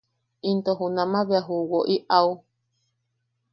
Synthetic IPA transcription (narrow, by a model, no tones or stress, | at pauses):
int̪oɦunãmãβeaɦuwoʔiʔau